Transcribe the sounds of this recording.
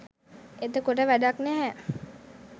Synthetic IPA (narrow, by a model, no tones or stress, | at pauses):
ed̪okoʈ̬əʋæɖaknæɦɛ